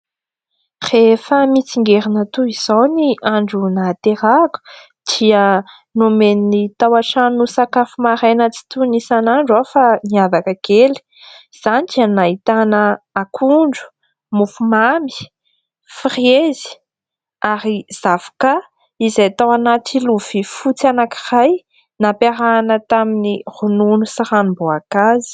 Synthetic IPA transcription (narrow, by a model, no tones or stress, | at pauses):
refəmit͡siŋɡeɾinət̪uiz̥owniaɳɖ͡ʐunat̪eɾaku̥ | d̪̥iə | numeninit̪awaʈ͡ʂanusakafumaɾenət͡si̥t̪unisanaɳɖ͡ʐafaniavakəɡ̥eli̥ | z̥aniianaɦit̪anəakʰuɳɖ͡ʐu̥ | mufumami̥ | firiezzi̥ | aɾiz̥avḁka | izajat̪awanat̪iluv̥ifut͡sianaki̥raj | napeɾanət̪aminirununusaɾanimboakazi̥